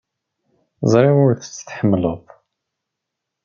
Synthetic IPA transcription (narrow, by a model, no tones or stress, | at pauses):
zˤɾˤiʊɾθt͡sːə̥t̪ħəmːləðˤ